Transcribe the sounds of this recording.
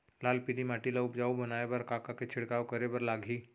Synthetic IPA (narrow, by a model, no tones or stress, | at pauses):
laːlpidimaːʈilaʊpd͡ʒaːubɐnaːebɐɾkaːkaket͡ʃʰɪɽkaːokɐɾebɐɾlaːɡʱiː